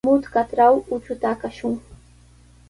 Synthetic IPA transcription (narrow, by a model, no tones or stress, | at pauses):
mʊt̪kat̪ɾawʊt͡ʃʊt̪akaʃʊŋ